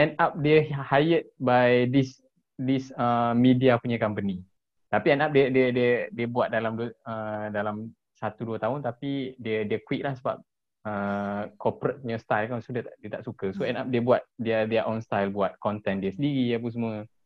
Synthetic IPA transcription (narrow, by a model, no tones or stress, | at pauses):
ʔɛnʔap̚diəhajət̪̚bajdis | disəmĩdiapuɲãkampəni | t̪apiɛnap̚diədiədiədiəbuat̪̚dalamduəədalam | sat̪uduət̪aɦʊnt̪apidiədiəkwɪk̚lahsəba̰p̚ | əkɔpɾət̪̚ɲə̃st̪ajlkasudat̪adiət̪aʔsukəsoɛnap̚diəbuat̪̚diədəʔonst̪ajlbuat̪̚kɔnt̪ɛndiəsəndiɾiap̬us̬əmuə